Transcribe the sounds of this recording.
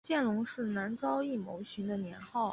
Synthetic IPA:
t͡ɕjɛ˥˩nlʊ˧˥ŋʂɻ̩˥˩na˧˥nʈ͡ʂɑ˥ʊi˥˩mo˧˥ʊɕy˧˥nd̪ə˧njɛ˧˥nxɑ˥˩ʊ

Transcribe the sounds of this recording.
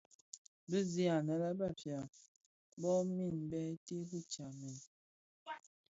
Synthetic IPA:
bə˦zi˦a˨na˨la˦ba˦˨fja˨ | bɔ˦mi˦˨n˨bɛ˦te˦ɦu˦t͡ʃa˨me˨n

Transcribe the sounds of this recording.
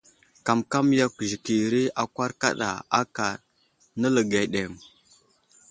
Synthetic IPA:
ka˨mka˦mja˦kʒi˨ki˨ɾi˦a˨kʷa˦ɾka̰˦ɗa̰˨a˦ka˨ɾ | nə˦lə˨ɡa˨ɗe˨m

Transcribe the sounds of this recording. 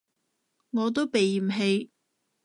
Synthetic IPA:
ŋɔː˨˧t̪o˥wpe˨jɦe˧j

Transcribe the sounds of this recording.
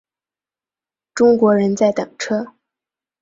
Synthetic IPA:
ʈ͡ʂʊ˥ŋkwɔ˧˥ɻə˧˥nt͡sa˥˩ɪt̪ɤ̰˨˩ŋʈ͡ʂʰɤ˥

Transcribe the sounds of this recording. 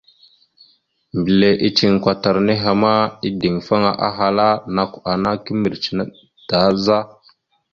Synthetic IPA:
mbə˨le˨ʔi˦t͡ʃi˦˨ŋkʷa˨ta˨ɾne˦ɦa˨ma˦i˦di˨ŋfa˦ŋa˨ʔa̰˦ɦa˨la˦na˨kʷa˨na˦ki˦mə˨ɾt͡ʃna˦ | d̥a˨˦za˦

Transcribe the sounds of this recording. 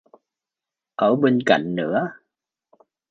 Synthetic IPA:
ʔəː˧˩ɓe˧nka̰˧˨jŋ̟nɨ̰˧˥ə

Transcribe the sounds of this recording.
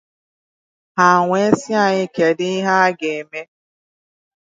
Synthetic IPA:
ha˨ŋʷe˦sɪ˦a˦˨ɲɪ˦ke˨dɪ˦ɦa˦ɡe˨me˦

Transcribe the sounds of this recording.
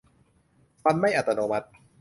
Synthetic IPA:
fa˧nma˥˩jʔa˨˩t̪ːa˧noː˧ma˦t̪̚

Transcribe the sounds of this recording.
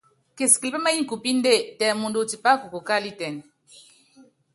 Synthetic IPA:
ke˨ski˨li˨pa˦ma˦ji˦ŋ˨ku˨pi˦n˦de˦˨tɛ˨mu˨ndo˨ti˨pa˦ku˨ko˨ka˦˨li˦tɛ˨n

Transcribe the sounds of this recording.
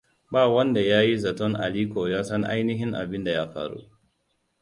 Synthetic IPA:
baː˦˨wɐ˦nda˨jaː˦ji˦zɐ˨tɔ˦ŋʔa̰˨liː˦koː˨jaː˦sɐ˦ŋʔa̰˦jnɪ˦ɦɪ˦ŋʔa̰˨bɪ˦nda˨ja˦ɸa̰ː˨ɾṵ˦ʔ

